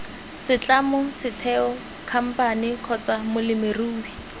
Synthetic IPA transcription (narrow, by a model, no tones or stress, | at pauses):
sɪt͡ɬʼamʊsɪtʰɛɔ | kʰam̩panɪkʰɔt͡samʊlɪmɪruːwi